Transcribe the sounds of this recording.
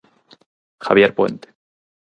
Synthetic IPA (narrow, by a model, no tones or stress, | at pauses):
xaβjeɾpwe̞̰nt̪e̥